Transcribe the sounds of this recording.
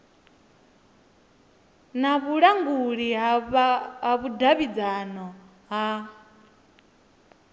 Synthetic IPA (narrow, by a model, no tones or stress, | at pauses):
naβuɺaŋɡuɺi | ɦaβudaβid͡zanɔ | ɦa